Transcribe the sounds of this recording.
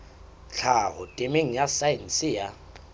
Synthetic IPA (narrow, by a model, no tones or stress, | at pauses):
t͡ɬʰahʊtʼɪmeŋ̩jasajin̩sɪja